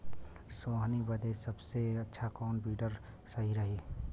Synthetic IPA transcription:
soːɦnibəd̪eːsəbseɐtːʃʰakɔːnbiːɖəɾ | sɐɦiɾɐɦiː

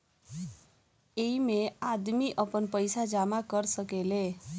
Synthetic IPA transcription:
eimead̪miʔəpənpəjsad͡ʒamakəɾsəkele

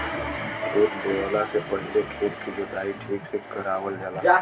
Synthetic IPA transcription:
kʰeːt̪bolasepəɽlekʰeːɾkʰid͡ʒod̪aːiʈʰiːksekəɾaːwəld͡ʒala

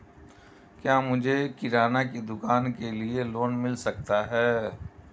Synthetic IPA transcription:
kjaːmʊd͡ʒʱekɪɾaːnaked̪ʊkaːnkelieloːnmɪlsɐkt̪aɦɛː

